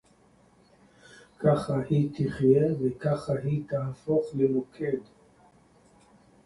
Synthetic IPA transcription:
kaχahit̪iχjevekaχaɦit̪aafoχlemokʰed̪

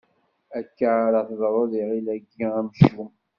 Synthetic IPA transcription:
ækːaɾəθðˤɾˤoðiʁilæɡːiæmʃum

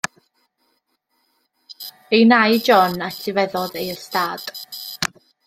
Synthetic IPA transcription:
ejnajd͡ʒɔnatʰivɛðɔðejəstaːd̥

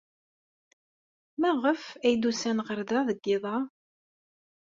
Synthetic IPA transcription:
mæʁəfæjd̪usænʁəɾðæðəɡːɪðˤɑ

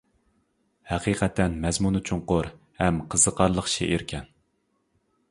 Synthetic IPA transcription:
hæqiqʰɛt̪ʰːɛnmɛzmunɨt͡ʃʰuŋqʊɾ | hɛmqʰəz̥əqʰɑɾlˠəχʃḛʔiɾkʲʰɛn

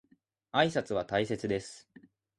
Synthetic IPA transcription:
aisat͡sɨβ̞at̪aise̞t͡sɨd̪e̞sɨ̥

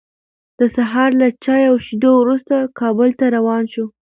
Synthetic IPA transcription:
d̪̥əsaɦɑɾlat͡ʃɑjawʃid̪owɾust̪akɑbʊlt̪aɾawɑnʃu

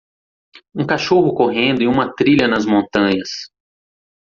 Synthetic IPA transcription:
ũkaʃoɦʊkoɦẽnd̪ʊɪũmɐt̪ɾiʎɐnɐzmõnt̪ɐ̃ɲɐs

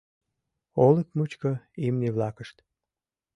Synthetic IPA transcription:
olət̪mut͡ɕkəimneβlɑkəʃt̪

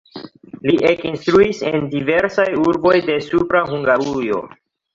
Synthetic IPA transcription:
liʔekinstɾuise̞ndive̞ɾsajuɾbo̞jde̞supɾaɦuŋɡaɾujo̞̰

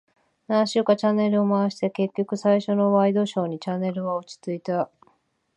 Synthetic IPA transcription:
nãɕɨːkat͡ɕanːe̞ɾɯ̟omaβaɕi̥t̪e̞ke̞kʲːo̞kɯ̟saiɕo̞no̞βaid̪o̞ɕo̞ːɲ̟it͡ɕanːe̞ɾɯ̟βaot͡ɕi̥t͡sɨit̪a

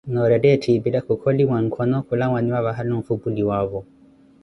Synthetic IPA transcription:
nɔɾɛdɛtʰibilakukʰɔlimaŋ̩kʰɔnɔkulaŋwaniwaβaɦaluɱ̩fubuliwaβɔ

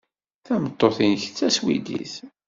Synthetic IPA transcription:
θæmət̪ˤːoθinçt͡sːæswḭd̪ḭθ

